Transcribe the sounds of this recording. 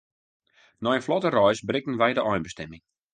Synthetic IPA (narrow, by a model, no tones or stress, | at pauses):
nɔjənflɔtərɔjsbrɪkən̩ʋɛjdəʔɔjnbəstɛmɪŋ